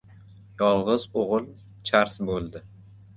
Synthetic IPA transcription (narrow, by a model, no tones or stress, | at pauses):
jɒlˠʁɨzoʁɨlˠ | t͡ʃʰaɾsbolˠd̪ɪ